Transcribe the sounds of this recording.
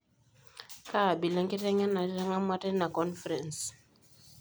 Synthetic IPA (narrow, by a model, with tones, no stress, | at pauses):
ka˦˨bi˨la˦ŋke˦tɛ˦ŋa˦na˨˦ta˦ŋa˦ma˦tɛ˦na˨kɔ˦nfɾɛ̃˨ns